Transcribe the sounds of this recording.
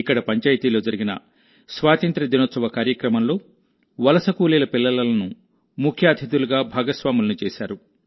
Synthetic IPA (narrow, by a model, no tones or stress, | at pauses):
ikːɐɽɐpɐɲt͡ʃaːjt̪iːlo̞ːd͡ʒɐɾiɡinɐ̰ | sʋaːt̪ɐnt̪ɾɐd̪inɐt̪sɐʋɐkaːɾjɐkɾɐmɐnlo̞ː | ʋɐlɐsɐkuːliːlɐpilːɐlɐlɐnu | mukʰjaːd̪ʱid̪uluɡaːbʱaːɡɐsʋaːmulɐnut͡ʃeːʃaːɾu